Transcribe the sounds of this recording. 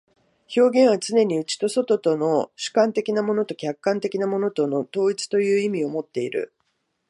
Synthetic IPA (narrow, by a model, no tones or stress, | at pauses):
ço̞ːɡẽ̞ɰ̃β̞at͡sɨne̞ɲ̟iɯ̟t͡ɕi̥t̪o̞so̞t̪o̞t̪o̞no̞ɕɨ̥kãnt̪e̞kʲinamo̞no̞t̪o̞kʲakːãnt̪e̞kʲinamo̞no̞t̪o̞no̞t̪o̞ːit͡sɨ̥t̪o̞jɯ̟ːimʲio̞mo̞t̪ːe̞iɾɯ̟̰